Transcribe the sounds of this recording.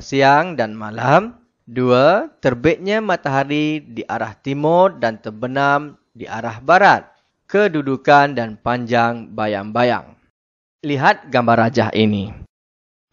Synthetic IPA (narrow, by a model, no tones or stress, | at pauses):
siaŋdanmalam | duat̪ərbet̪̚ɲamat̪aɦaɾidiʔaɾaht̪imʊrdant̪ərbənam | diʔa̰ɾahbaɾat̪̚ | kədudukandanpaɲd͡ʒaŋbaja̰ŋbaja̰ŋ | liɦat̪̚ɡambaɾad͡ʒaɦʔini